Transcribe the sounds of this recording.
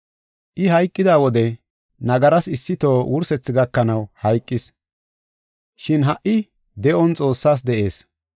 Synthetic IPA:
ʔɪɦɐjkʼːɪd̪aːwɔd̪ɛ | nɐɡɐɾɐsɪsːɪt̪o̞ːwʊɾsɛt͡sːɪɡɐkːɐnɐwhɐjkʼːɪs | ʃɪnɦɐʔɪ | d̪ɛʔɔnt͡sʼo̞ːsːaːs̬d̪ɛʔe̞ːs

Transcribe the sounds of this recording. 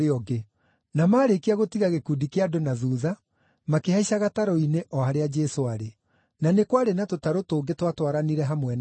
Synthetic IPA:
eɔɡe | namaːɾekiaɣotiɣaɣekuːdikeadonaðuːða | makeɦaiɕaɣataɾɔineʔɔhaɾead͡ʒɛsoaɾe | nanekwaɾenatotaɾotoːɡetwatwaɾaniɾɛɦamwɛn

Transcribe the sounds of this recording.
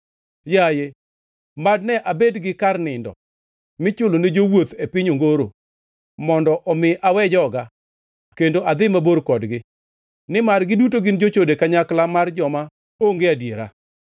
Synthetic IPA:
jaje | mad̚nɛʔabedɡɪkarnɪndɔ̰ | mɪt͡ʃʊloned͡ʒowot̪epɪɲoŋɡoɾo̰ | mɔndɔʔɔmɪʔawɛd͡ʒɔɡa | kendoʔad̪ɪmaboɾkɔdɡɪ | nɪmarɡɪdut̬oɡɪnd͡ʒot͡ʃodekaɲaklamard͡ʒɔma | oŋɡeadjeɾa̰

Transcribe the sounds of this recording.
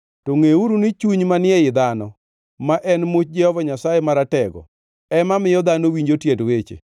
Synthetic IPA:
toŋeuɾunit͡ʃuɲmanɪɛɪd̪anɔ | maʔɛnmot͡ʃ̚d͡ʒɛhɔvaɲasajemaɾatɛɡɔ̰ | ɛmamɪjɔd̪anowiɲd͡ʒotjedwet͡ʃḛ

